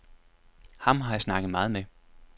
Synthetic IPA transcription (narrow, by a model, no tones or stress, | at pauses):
hɑ̈mɦɑ̈jɑsnɑ̈ɡ̥əð̩ˠmɑ̈ːð̞̩ˠme